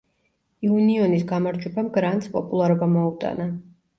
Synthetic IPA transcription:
iuniɔnisɡamaɾd͡ʒwɛbamɡɾant̪ʼspʼɔpʼulˠaɾɔbamɔut̪ʼa̰na

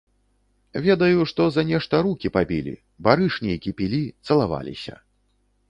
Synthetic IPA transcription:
vʲɛd̪ɐjuʂt̪ɔzɐnʲɛʂt̪ɐɾukʲipabʲilʲḭ | baɾɨʂnʲikʲipʲilʲit̪sɐlˠava̰lʲḭsʲɐ̰

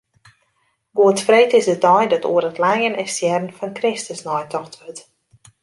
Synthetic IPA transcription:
ɡoətfreːtɪsdətɔjdɔtṵərətlajənɛsjɛrn̩fɔnkrɪstəsnɔjtʰɔxtʋøt

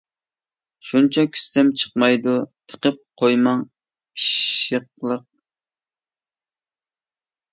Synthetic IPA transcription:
ʃunt͡ʃʰɑkʲʰy̥st̪ɛmt͡ʃʰə̥qmɑjd̪ut̪ʰə̥qəp̚qʰojmɑŋ | pʰi̥ʃəq̚lˠəq̚

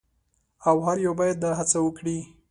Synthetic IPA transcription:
awɦaɾjawbɑjad̪̚d̪ɑɦat͡sawəkɽi

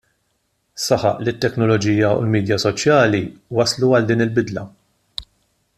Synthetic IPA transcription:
sɐħɐ̰ʔlit̪ːɛknɔlɔd͡ʒiːjɐṵlmiːd̪jɐsɔt͡ʃjɐːliwɐsluɐld̪iːnɪlbɪd̪lɐ̰

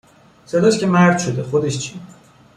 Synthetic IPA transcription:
se̞d̪ɒʃcʰʲemæɾd̪̥ʃod̪exod̪eʃt͡ʃʰi

